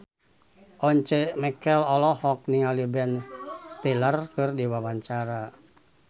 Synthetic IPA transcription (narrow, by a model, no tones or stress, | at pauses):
ʔɔɲt͡ʃɛmɛkɛlɔlɔhɔk̚niŋalibɛnst̪ɛlarkɨrdiwawaɲt͡ʃaɾa